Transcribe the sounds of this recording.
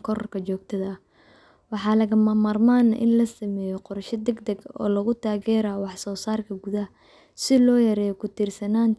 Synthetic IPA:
kʰɔɾɔrkʰɐt͡ʃɔːɡ̚t̪ʰɐðɐ | wɑħɑːlɐɣɐmamaːrmaːnɐʔɪ̰nlɐsɐmɛːjɔqɔɾʃɐd̪ɛɡd̪ɐɡɔ̰ːlɐɣʊt̪ʰaːɣɛːɾawɑħsɔːsaːrkʰɐɡuðɐ | sɪlɔːjɐɾɛːjɔkʰʊt̪ʰiːrsɐnaːn

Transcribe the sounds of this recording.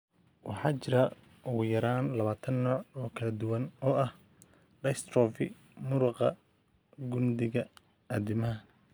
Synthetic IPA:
wɑ̰ħɑːt͡ʃɪɾɐ | ʔʊɣʊjɐɾaːnlɐβaːt̪ʰɐnːɔːʕɔːkʰɐlɐd̪ʊwɐnɔːʔɐh | ɖɐjst̪rɔːfɪ̰ | mʊɾʊqɑ̰ | ɡʊnd̪ɪɣɐ | ɐd̪ɪmɐɦɐ

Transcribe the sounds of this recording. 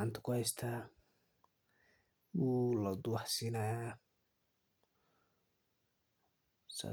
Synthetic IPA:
ant̪ʰɐ̥kʰʊhɛjst̪ʰa | wuːlɐd̪ʊwɑħsiːnaja | sa̰

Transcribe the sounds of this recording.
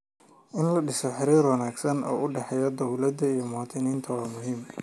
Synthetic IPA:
ʔɪnlɐɖɪsɔħɪɾiːɾwɐnaːɡsɐnɔ̰ːʔʊɖɛħɛjɔd̪ɔwlɐd̪ɐijɔmaːt̪ʰɪniːnt̪ʰɐwɑːmʊɦiːm

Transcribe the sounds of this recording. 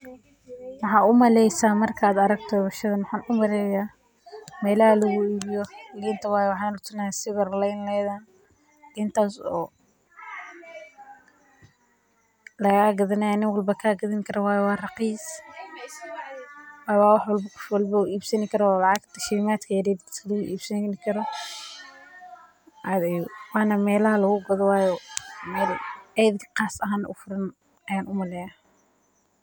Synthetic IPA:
wɑħɑːʊmɐlɛjsaːmɐrkʰaːd̪ɐɾɐɡt̪ʰɔβɐʃɐðɐmʊħaːnʊmɐɾɛːjaː | mɛːlɐhɐlɐɣʊiːbɪjɔɪlɪnt̪ʰɐwɑːjwɑħɑːnʊt̪ʰɐnɐjasɪβɐrlɛjnlɛːðan | ɡɪnt̪ʰaːsɔː | lɐɣaːɡɐðɐnɐjaːnɪŋwɐlbɐkʰaːɡɐðɪŋkʰɐɾɐwɑːjɛwɑːrɑqiːs | wɑːjwɑːwɑħwɐlbɐkʰʊ̥fwɑlbɐʊʔiːbsɐnɪkʰɐɾɔlɑʕɑɡt̪ʰɐʃiːmaːt̪kʰɐjɐɾɛːd̪skʰɐlɐɣʊʔiːbsɐnɪkʰɐɾɔ | ʔad̪ɛjwɑːnɐmɛːlɐhɐlɐɣʊɡɐðɔwɑːjɔmɛːlɛjd̪kʰqɑːsɐɦaːnɐ̰ʔʊfʊɾɐn | ɐjaːnʔʊmɐlɛːjaː

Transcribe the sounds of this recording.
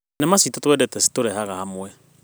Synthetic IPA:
nɛmasitotwɛdɛtɛsi̥toɾɛɦaɣahamwɛ

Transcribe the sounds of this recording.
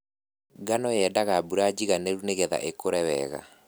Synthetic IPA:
ɡanɔjɛdaɣabuɾad͡ʑiɣanɛɾuneɣɛða̰ʔekoɾɛwɛ̰ɣa̰

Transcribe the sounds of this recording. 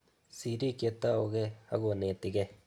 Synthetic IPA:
siɾiket̪ːaoɡehaɡuneːt̪iɡe

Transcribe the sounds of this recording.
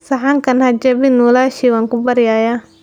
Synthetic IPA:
sɐħaŋkɐnhɐd͡ʒɐβɪnulaːʃiwaːŋkʊbɐɾɪjaːjaː

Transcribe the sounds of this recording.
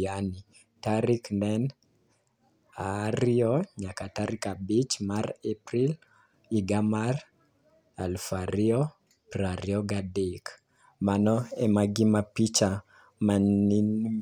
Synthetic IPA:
ani | taɾiknɛn | aɾiɔɲakataɾikabit͡ʃmaɾepɾil | iɡamar | a̰lfaɾiɔ | pɾaɾjɔɡadik | manɔɛmaɡimapit͡ʃa | main

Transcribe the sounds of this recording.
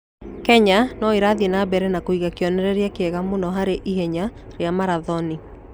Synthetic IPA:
kɛɲanɔiɾaðinabɛɾɛnakoiɣakiɔnɛɾɛɾjakeɛɣamunɔɦaɾeʔiɦɛɲa | ɾeamaɾaðɔni

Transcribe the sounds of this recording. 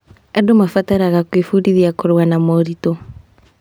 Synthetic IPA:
adomafataɾaɣakwifuɾiðiakoɾwanamɔɾitɔ

